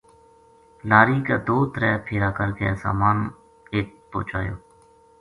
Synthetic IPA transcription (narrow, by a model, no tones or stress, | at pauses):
laːɾiːkaːd̪oːt̪əɾɛːpʰeːɾaːkəɾkɛ̰ːsa̰ːmaːn | eːpo̰ːt͡ʃa̰ːjoː